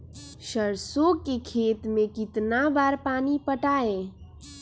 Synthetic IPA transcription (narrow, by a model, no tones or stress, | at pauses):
ʃəɾsokekʰeːt̪mẽkɪt̪nabaːɾpaːnipəʈaːẽ